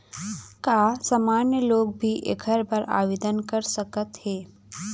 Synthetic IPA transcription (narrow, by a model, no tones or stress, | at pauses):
kaːsamaːnjəloːɡ̚bʱiʔḛkʰəɾbəɾa̰ːʋeːd̪ənkɐɾsəkət̪heː